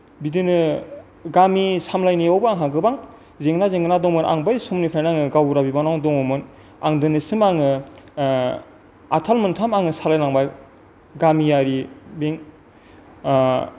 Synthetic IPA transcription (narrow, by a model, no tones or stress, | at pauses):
bidɯnɯ | ɡamisamlajniawbɯaŋɦaɡɯbaŋ | zeŋɡnazeŋɡnadɔŋmɯnʔa̰ŋbajsumnipʰlajnaŋɯɡawɾabibanɔŋdɔŋɔmɯn | a̰ŋdɯnɯsɯmaŋɯ | atʰalmɯntʰamaŋɯsalajnaŋbaj | ɡamijaɾibeŋ